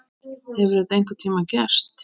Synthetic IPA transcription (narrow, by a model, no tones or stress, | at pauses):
hɛvɛɾɪðejŋ̥kʏɾt̪ʰiːmacɛr̥t̪